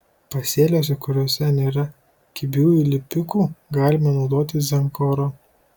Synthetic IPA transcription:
pɐsʲeːlʲoːs̬ʲɛkʊɾʲoːsʲɛnʲeːɾɐ | kʲɪbʲuːilʲɪpʲʊkuːɡɑːlʲɪmɐnɒʊd̪oːt̪ʲɪzʲɛŋkɔɾoː

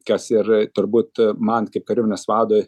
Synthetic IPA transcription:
kɐsɪrt̪ʊɾbuːt̪mɐnkɐɪp̚kɐɾʲɪmʲɪnʲɛsʋɑːd̪oːj

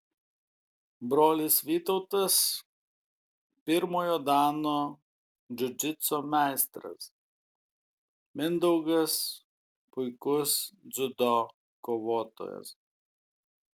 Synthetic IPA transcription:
bɾoːlʲɪsʋʲiːt̪ɔʊt̪ɐs | pʲɪɾmoːjoːd̪ɑːnoː | d͡ʒʲʊd͡ʒ̪ʲɪt̪soːmʲæˑɪst̪ɾɐ̰s | mʲɪnd̪ɔʊɡɐs | pʊɪkʊsd̪zʲʊd̪ɔ | koːʋoːt̪o̰ːjɛ̰s

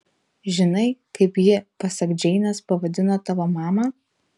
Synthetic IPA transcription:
ʒʲɪnɐɪkɐɪpjɪpɐsʲɐkd͡ʒʲɛɪnʲɐspɐʋɐd̪ʲɪnot̪ɑʋɐmɑːmɐ

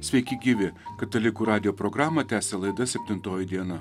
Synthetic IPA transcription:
sʲʋʲɛɪkʲɪɡʲiːʋʲɪkɐt̪ɐlʲɪkuːɾɑːd̪ʲɪjoːpɾoɡɾɑːmɐt̪ʲæːsʲelˠɐɪd̪ɐsʲɛpʲt̪ʲɪnt̪oːjɪd̪ʲiɛnɐ

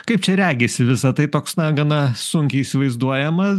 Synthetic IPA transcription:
kɐɪp̚t͡ʃʲɛɾʲæːɡʲesʲɪʋʲɪsɐt̪ɐɪt̪oːksnɐɡɐnɐsʊŋʲkʲɪisʲɪʋɐɪzd̪uɔjɛmɐs

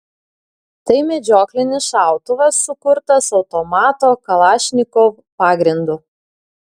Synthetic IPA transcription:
t̪ɐɪmʲɛd͡ʒʲoːklʲɪnʲɪsʃɑˑʊt̪ʊʋɐsːʊkʊɾt̪ɐsɒʊt̪ɔmɑːt̪oːkɐlˠɑːʃʲnʲɪkoʋ | pɑːɡɾʲɪnd̪ʊ

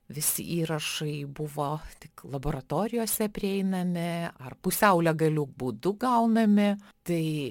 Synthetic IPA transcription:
ʋʲɪsʲɪ̰ʔiːɾɐʃɐɪbʊʋoːt̪ʲɪklˠɐboːɾɐt̪oːɾʲɪjoːsʲɛpʲɾʲɪɛɪnɐmʲɪɐrpʊsʲɛʊlʲɛɡɐlʲuːk̚buːd̪ʊɡɐʊnɐmʲɪt̪ɐɪ

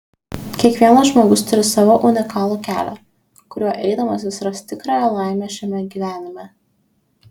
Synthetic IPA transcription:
kʲiɛkʋʲiɛnɐʒmoːɡʊst̪ʊɾʲɪsɑʋoʔʊnʲɪkɑːlˠuːkʲæ̰ːlʲɛ̰ | kʊɾʲuɔʔɛɪd̪ɐmɐs̬ʲɪsɾɐst̪t̪ʲɪkɾɑːjɛlˠɑˑɪmʲɛːˑʃʲɛmʲɛɡʲiːʋʲæːnʲɪmʲɛ

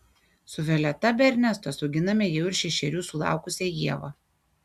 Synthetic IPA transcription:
sʊʋʲɛlʲɛt̪ɐbʲɛɾʲnʲɛst̪osɔʊɡʲɪnɐmʲɛjɛʊɪɾʃʲɛʃʲɛɾʲuːsʊlˠɑ̰ˑʊkʊsʲɛjiɛʋɐ

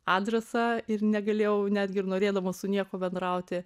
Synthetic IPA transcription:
ɑːdʲɾʲɛsɑːɪrnʲɛɡɐlʲeːjɛʊnʲæːd̪ʲɡʲɪɪɾnoːɾʲeːd̪ɐʋoːsʊnʲiɛkoːbʲɛnd̪ɾɐʊt̪ʲɪ

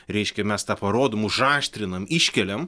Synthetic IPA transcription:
ɾʲɛɪʃʲkʲɛmʲɛst̪ɑːpɐɾoːd̪oːmʊʒɑːʃʲt̪ʲɾʲɪnɐmɪʃʲkʲɛlʲɛm

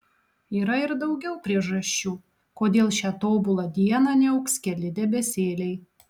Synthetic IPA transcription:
iːɾɐɪɾd̪ɐʊɡʲɛʊpʲɾʲiɛʒɐʃʲt͡ʃʲuː | koːd̪ʲeːlˠʃʲæːt̪oːbʊlˠɐd̪ʲiɛnɑnʲɛɐʊksʲkʲɛlʲɪd̪ʲɛbʲɛsʲeːlʲɛɪ

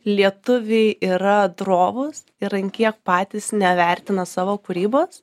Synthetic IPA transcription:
lʲiɛt̪ʊʋʲɛɪʔiːɾɐd̪ɾoːʋʊs | ɪɾɐŋʲkʲiɛk̚pɑːt̪ʲiːsnʲɛʋʲɛrʲt̪ʲɪnɐsɑːʋoːkʊɾʲiːboːs

